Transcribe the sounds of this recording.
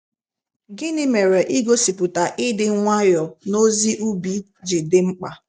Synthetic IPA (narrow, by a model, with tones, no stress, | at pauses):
ɡɪ˦nɪ˦me˨ɾe˨ʔi˦ɡo˦si˨pʊ˨ta˨ʔɪ˦dɪ˦ŋ˦ŋʷa˦jɔ˨no˦zi˦ʔu˦bi˦ | d͡ʒɪ˨dɪ˦ŋ͡m̩˦k͡pa˨